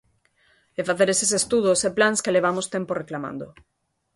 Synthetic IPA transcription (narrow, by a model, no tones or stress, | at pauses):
efaθeɾesesest̪uð̞oseplanskeleβ̞amost̪emporeklamã̰nd̪o̰